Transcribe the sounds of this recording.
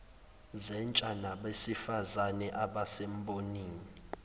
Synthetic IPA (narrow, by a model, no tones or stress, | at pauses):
zɛnt͡ʃʼanaɓesifazanɛʔaɓasɛm̩bʱʼoniːŋii